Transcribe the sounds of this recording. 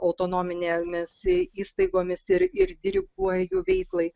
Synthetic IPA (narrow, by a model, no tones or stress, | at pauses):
ɐʊt̪oːnoːmʲɪnʲeːmʲɪsiːst̪ɐɪɡoːmʲɪsɪɾɪɾd̪ʲɪɾʲɪɡuɔjuːʋʲɛɪklˠɐɪ